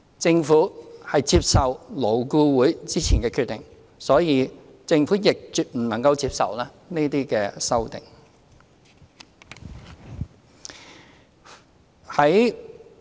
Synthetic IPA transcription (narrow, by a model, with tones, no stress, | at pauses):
t͡sɪ˧ŋfuː˨˥hɐ˨jt͡siː˧p̚sɐ˨wlo˨˩wkuː˧wuː˨˥jt͡siː˥t͡sʰiː˨˩nkɛː˧kʰy˧t̪ːɪ˨˩ŋ | sɔː˨˥jiː˨˧ | t͡sɪ˧ŋfuː˨˥jɪ˨k̚t͡ʃyː˨t̚m̩˨˩nɐ˨˩ŋkɐ˧wt͡siː˧p̚sɐ̰˨wlaː˥ | neː˥t̪iː˥kɛː˧sɐ˥wt̪ɪ̰˨˩ŋ | hɐ˨˥j